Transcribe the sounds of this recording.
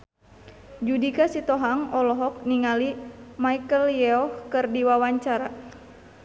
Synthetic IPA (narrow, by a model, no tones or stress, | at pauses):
d͡ʒudikasit̪ɔɦaŋɔlɔɦɔk̚niŋalimaikəljɛɔhkɨrdiwawaɲt͡ʃaɾa